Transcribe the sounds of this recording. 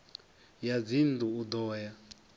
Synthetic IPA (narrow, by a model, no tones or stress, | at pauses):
jad͡zinduud̪ɔːja